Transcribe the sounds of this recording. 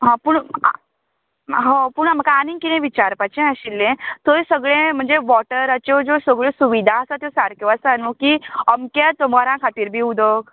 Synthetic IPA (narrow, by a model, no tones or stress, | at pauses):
ɦãpuːɳa̰ | ɦõpuɳam̤əkaanĩŋkinẽʋit͡ɕaɾpat͡ɕẽaɕilːẽt̪ojsəɡɭẽm̤əɳd͡zeʋɔʈəɾat͡ɕod͡zosəɡɭẽsuʋid̪ʱaəsat̪josaɾkʰjoəsanmukiəmkat̪om̤aɾãkʰat̪iːɾbʱiːud̪ok